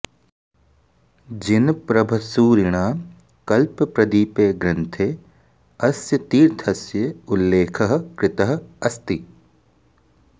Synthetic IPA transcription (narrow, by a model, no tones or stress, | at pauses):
d͡ʒɪnpɾɐbʱɐsuːɾɪɽ̃aː | kɐlppɾɐd̪iːpeːɡɾɪnt̪ʰeː | ɐsjɐt̪iːɾt̪ʰɐsjɐʊlːeːkʰɐɦkɾɪt̪ɐɦ̆ɐst̪i